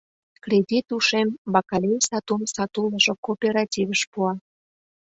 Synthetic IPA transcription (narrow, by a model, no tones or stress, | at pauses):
krʲedʲit̪uʃembɑkɑlʲejsɑt̪umsɑt̪uləʒokopʲeɾɑtʲivəʃpuɑ